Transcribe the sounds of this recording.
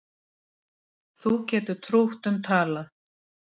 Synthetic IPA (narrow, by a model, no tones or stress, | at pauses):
θucɛːt̪ʏt̪ʰɾowht̪ʏmt̪ʰaːla